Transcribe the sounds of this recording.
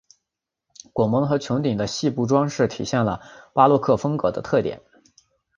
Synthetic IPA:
kwɔ˨˩mɤ˧˥ŋxɤ˧˥t͡ɕʰjʊ˧˥t̪i˨˩ŋd̪ə˦ɕi˥˧pu˥˩ʈ͡ʂwɑ˥ŋʂɻ̩˥˩t̪ʰḭ˨˩ɕjɛ˥˩nlə̰˩pa˥lwɔ˥˧kʰɤ˥˩fɤ˥ŋkɤ˧˥d̪ə˦t̪ʰɤ˥˩t̪jɛ̰˨˩˦n

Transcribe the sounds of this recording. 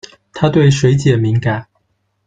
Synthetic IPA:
t̪ʰa˥t̪we˥˩ɪʂwe˧˥ɪt͡ɕjɛ˨˩mi˨˧˥ŋka˨˩ɪ

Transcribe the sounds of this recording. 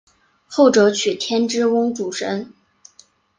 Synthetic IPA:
xo˥˩ʊʈ͡ʂɤ˧˥t͡ɕʰy˨˩t̪ʰjɛ˥nʈ͡ʂɻ̩˥wʊ˥ŋʈ͡ʂu˨˩ʂə˧˥n

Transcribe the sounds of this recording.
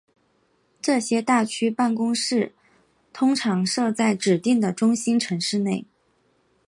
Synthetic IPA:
ʈ͡ʂɤ˥˩ɕjɛ˥t̪a˥˩t͡ɕʰy˥pa˥˩nkʊ˥ŋʂɻ̩˥˩ | t̪ʰʊ˥ŋʈ͡ʂʰɑ˧˥ŋʂɤ˥˧t͡sa˥˩ɪʈ͡ʂɻ̩˨˩t̪i˥˩ŋd̪ə˩ʈ͡ʂʊ˥ŋɕi˥nʈ͡ʂʰɤ˧˥ŋʂɻ̩˥˧ne˥˩ɪ

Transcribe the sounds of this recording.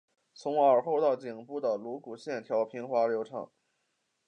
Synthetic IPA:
t͡sʰʊ˧˥ŋə˞˨˩xo˥˧ʊt̪ɑ˥˩ʊt͡ɕi˨˩ŋpu˥˩d̪ə˩lu˧˥ku˨˩ɕjɛ˥˩nt̪ʰjɑ˧˥ʊpʰi˥nxwa˥ljo˧˥ʊʈ͡ʂʰɑ̰˨˩˦ŋ

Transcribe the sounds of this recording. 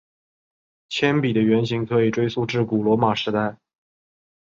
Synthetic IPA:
t͡ɕʰjɛ˥npi˨˩d̪ə˦ɥɛ˧˥nɕi˧˥ŋkʰɤ˧˥i˨˩ʈ͡ʂwe˥ɪsu˥˧ʈ͡ʂɻ̩˥˩ku˨˩lwɔ˧˥ma˨˩ʂɻ̩˧˥t̪a˥˩ɪ

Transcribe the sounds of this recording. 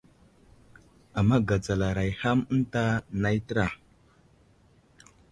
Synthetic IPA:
a˨mːa˦ɡa˨d͡za˨la˨ɾa˨jha˦mə˦n˦ta˦na˦jtə˦ɾa˨

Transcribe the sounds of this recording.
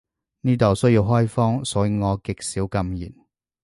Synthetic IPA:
niː˥t̪ɐ˨˩wsɵ˥ji˧wɦɔː˥jfɔː˥ŋsɔː˨˥jŋɔː˨˧kɪ˨k̚siː˨˥wkɐ˧mjḭː˨˩n

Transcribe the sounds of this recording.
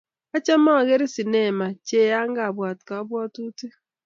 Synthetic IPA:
a˦t͡ʃa˦ma˦˨ɣe˦ɾi˦si˨ne˨ma˨t͡ʃe˦˨ja˦ŋ̩˦ɡa˨bwa˨tka˨ɔ˦bʷɔ˦tu˦te˦

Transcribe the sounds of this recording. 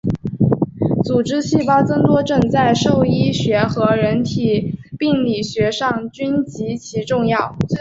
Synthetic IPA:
t͡su˨˩ʈ͡ʂɻ̩˥ɕi˥˩pɑ˥ʊt͡sɤ˥ŋt̪wɔ˥ʈ͡ʂɤ˥˧ŋt͡sa˥˧ɪʂo˥˩ʊi˥ɕɥɛ˧˥xɤ˧˥ɻə˧˥nt̪ʰi˨˩pi˥˩ŋli˨˩ɕɥɛ˧˥ʂɑ˥˩ŋt͡ɕy˥nt͡ɕi˧˥t͡ɕʰi˧˥ʈ͡ʂʊ˥˧ŋjɑ˥˩ʊ

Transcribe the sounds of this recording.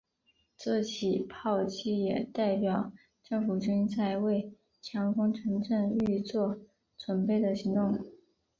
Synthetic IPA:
t͡sɤ˥˩t͡ɕʰi˨˩pʰɑ˥˧ʊt͡ɕʰi˥˩jɛ˨˩t̪a˥˩ɪpjɑ˨˩ʊ | ʈ͡ʂɤ˥˩ŋfu˨˩t͡ɕy˥ŋt͡sa˥˧ɪwe˥˩ɪ | t͡ɕʰjɑ˧˥ŋkʰʊ˥ŋʈ͡ʂʰɤ˧˥ŋʈ͡ʂə˥˧ŋy˥˧t͡swɔ˥˩ | t͡swə˨˩npe˥˩ɪd̪ə˩ɕi˧˥ŋt̪ʊ˥˩ŋ

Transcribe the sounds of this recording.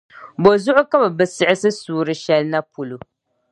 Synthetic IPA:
bo˨zʊ˦ʔʊ˦ka˦bɛ˨bɨ˨sɪ˦ʔɪ˦sɨ˦suː˦ɾɨ˦ʃɛ˦lna˦pʊ˨lu˨

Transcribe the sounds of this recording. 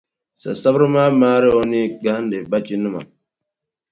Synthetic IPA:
sa̰˨sa˦bɾi˦ma˦maː˦ɾe˦wo˦ni˦ɡa˦hn˦de˨ba˦t͡ʃi˦nu˦ma̰˨

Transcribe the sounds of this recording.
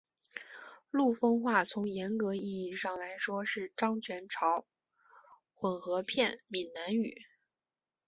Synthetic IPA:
lu˥˩fɤ˥ŋxwa˥˩t͡sʰʊ˧˥ŋjɛ˧˥nkɤ˧˥i˥˧i˥˧ʂɑ˥˩ŋla˧˥ɪʂwɔ˥ʂɻ̩˥˩ʈ͡ʂɑ˥ŋt͡ɕʰɥɛ˧˥nʈ͡ʂʰɑ˧˥ʊ | xwə˨˩nxɤ˧˥pʰjɛ˥˩nmi˨˩nna˧˥ny˨˩˦

